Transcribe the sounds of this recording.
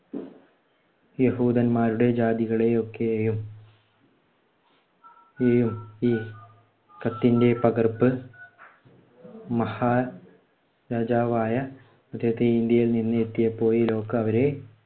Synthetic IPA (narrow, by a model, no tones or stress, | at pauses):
jeɦuːd̪ɐnmaːɾuɽe̞d͡ʑaːd̪iɣɐɭe̞o̞kːe̞ejum | ejumiː | kɐt̪ːinde̞pɐɡɐrpːɨ | mɐhaː | ɾaːd͡ʑaːʋaːjɐ | ɐd̪ːeɦɐt̪ːeind̪jɐjilninːɨet̪ːijɐpːo̞ːjilo̞ːkːɐɐʋɐɾe̞